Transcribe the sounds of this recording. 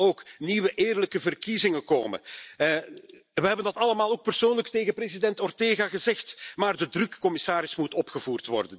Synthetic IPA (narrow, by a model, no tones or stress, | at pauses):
oːkniʋəʔɪːrləkəvərkizɪŋəko̰ːmə̰ | ʋəɦɛbəndɑtɑlˠəmaːlˠoːk̚pərsoːnləkteːɣəpreːzidɛntɔrteːɣaɣəzɛxtmaːrdədrɵkːɔmɪsaːɾɪsmutɔpxəvuːrtʋɔ̰rdən